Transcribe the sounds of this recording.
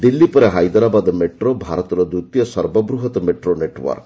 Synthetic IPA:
d̪ilːipɔɾeɦajd̪ɔɾabad̪ɔmeʈɾobʱaɾɔt̪ɔɾɔd̪ut̪jɔsɔɾbɔbɾuɦɔt̪ɔmeʈɾoneʈwɔ̰ɾk

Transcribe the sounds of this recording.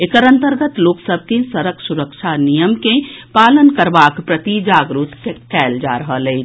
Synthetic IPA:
ekəɾə̃nt̪əɾɡət̪loːksəb̚ʱkesəɾəksuɾəkʃʰanijəmkẽpaːlənkəɾbaːkpɾət̪id͡ʒaːɡɾut̪kekɛːld͡ʒa̰ɾəɦəlɛ

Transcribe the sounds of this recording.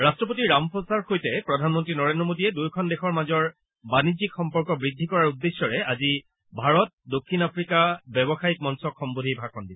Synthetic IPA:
ɹastɹɔp̬otiɹampʰosaɹxojtɛpɹɔdʱanmɔntɹinɔɹendɹɔmodiɛdujkʰɔndexɔɹmazɔɹ | banizikxɔmpɔɹkɔbɹidʱːikɔɹaɹudːesjɔɹɛazi | bʱaɹɔt̚dokʰːinapʰɹikabjɔbɔxaikmɔnsɔkxɔmbodʱibʱakʰɔndilɛ

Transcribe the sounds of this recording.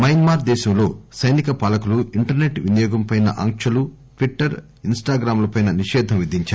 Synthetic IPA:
mɐjnmaːɾd̪ɛːʃɐmlo̞ːsɐjnikɐpaːlɐkuluiɳʈɐɾne̞ʈʋinijɔːɡɐmpɐjnɐ̰ʔɐŋkʂɐlu | ʈʋiʈːɐɾ | insʈaːɡɾaːmlɐpɐjnɐniʃɛːd̪ʱɐmʋid̪ʱiɲt͡ʃaːɾ

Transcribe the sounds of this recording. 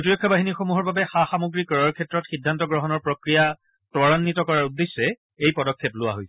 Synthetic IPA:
otiɹɔkʰːɔbaɦiniɹxomuɦɔɹbabɛxaxamuɡɹikɔɹaɹkʰɛtɹɔtxidʱːantɔɡɹɔɦɔnɔɹpɹokɹija | tɔɹanːitɔkɔɹaɹudːesːɛ | ejpɔdɔkʰːeplʊwa̰ɦojs

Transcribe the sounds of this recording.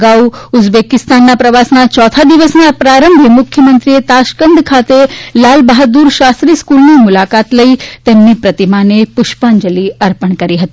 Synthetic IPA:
ɡauud͡zbekɪst̪anːapɾɐʋasnat͡ʃɔt̪ʰad̪iʋəsnapɾaɾəmbʱimʊkʰjəmənt̪ɾijet̪aʃkənd̪ʱkʰat̪elaːlbaɦət̪̚d̪uːɾʃast̪ɾiːskulnimulakat̪ləit̪emnipɾɐt̪imanepʊʃpand͡ʒəliɐɾpəɳkɐɾiɦət̪i

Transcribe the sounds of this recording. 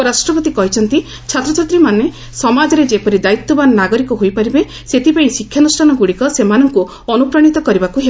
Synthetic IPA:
ɾasʈɾɔpɔt̪ikɔɦit͡ʃʰɔnt̪i | t͡ʃʰat̪ɾɔt͡ʃat̪ɾimane | sɔmad͡ʒɔɾed͡ʒepɔɾid̪ait̪ːɔbanɔnaɡɔɾikɔɦojpaɾibe | set̪ipaɽ̃ĩsikʰːjanusʈʰanɔɡuɽikɔsemanɔŋku | ɔnupɾɔɽ̃it̪ɔkɔɾibakuɦe

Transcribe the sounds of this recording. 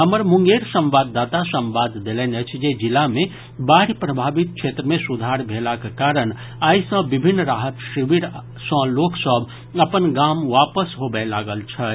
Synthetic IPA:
ɦəməɾmũŋɡeɾsə̃mʋad̪ːat̪asə̃mʋad̪d̪elɛnət͡ʃʰd͡ʒed͡ʒilame | baɾipɾəbʱabit̪̚kt͡ʃʰet̪ɾəmẽsud̪ʱaɾbʱelakekaɾən | aːisə̃bibʱinːɾaɦət̪ʃiʋiɾ | sə̃loksəbʱ | əpənɡamʋapəsɦobelaɡəlt͡ʃʰə

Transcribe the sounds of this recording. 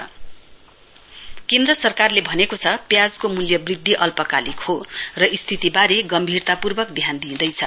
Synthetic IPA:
kend̪rʌsʌrkarlebʱʌnekot͡sʰʌpjad͡zkomuljʌbrid̪ʱːiʔʌlpʌkalikhorʌʔist̪ʰit̪ibaɾeɡʌmbʱirt̪apurbʌkd̪ʱjand̪id̪ʌjt͡sʰʌ̰

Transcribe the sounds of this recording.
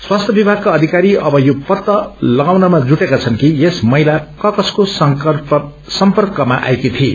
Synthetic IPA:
swast̪ʰjʌbibʱaɡ̚kaʌd̪ʱikaɾiʔʌbʌjopʌt̪ːʌlʌɡawnʌmad͡zuʈekat͡sʰʌnkijesmʌjlakʌkʌskos | sʌmpʌrkʌmaʔa̰jkit̪ʰi

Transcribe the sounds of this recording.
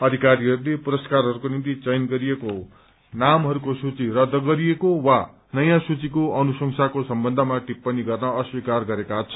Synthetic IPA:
ʌd̪ʱikaɾiɦʌɾulepuɾʌskarɦʌɾukonint̪it͡sʌjnɡʌɾijeko | namɦʌɾukosut͡sirʌd̪ʱːʌɡʌɾijekowa | nʌjãsut͡sikoʌnusʌŋsʰakosʌmbʌnd̪ʱʌmaʈipːʌniɡʌrnʌʌswikarɡʌɾekat͡sʰʌ

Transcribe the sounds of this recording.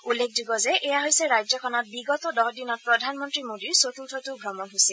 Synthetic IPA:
ulːek̚ʰdiɡɔzɛʔɛjaɦojsɛɹajzɔkʰɔnɔt̚biɡɔtɔdɔɦɔdinɔt̚pɹɔdʱanmɔntɹimodiɹsotʰultʰɔtʊbʱɹɔmɔnɦojsɛl

